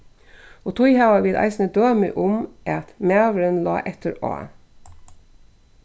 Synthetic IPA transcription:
oːt̪ʰʊjhɑʊɑʋɪlʔɑ̰ɪsnəd̪øːmʏ̰ʔʊmʔɑt̪mæːʋəɾənlɑ̰ːʔɛt̪əɾɑ̰ː

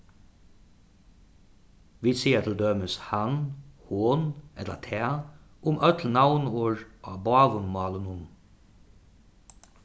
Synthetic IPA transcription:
ʋiːsiːət̪ʰl̩d̪øːməshɑnhoːnɛlə̰t̪ʰeːʔʊmʔœt̪ʰl̩nɑʊnoːɹʔɑːbɑːʋənmɑːlənʊn

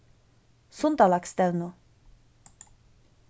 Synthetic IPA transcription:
sunt̪alakst̪ɛlnu

